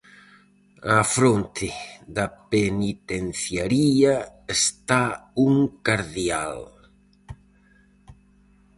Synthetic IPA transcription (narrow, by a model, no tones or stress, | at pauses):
afɾont̪ʰɪd̪apenit̪enθjaɾiaest̪auŋkaɾðja̰l